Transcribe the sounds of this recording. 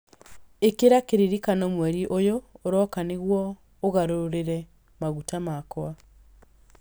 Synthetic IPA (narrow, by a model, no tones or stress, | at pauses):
ekeɾakeɾiɾikanɔmwɛɾiʔojoːɾɔkaneɣwɔː | ɣaɾoɾeɾɛ | maɣutamakwa